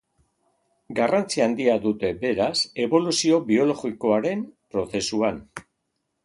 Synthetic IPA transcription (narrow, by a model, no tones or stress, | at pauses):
ɡarant͡siand̪iaðut̪e̞be̞ɾase̞βo̞lusio̞βio̞lo̞ɣiko̞aɾe̞mpɾo̞θe̞suan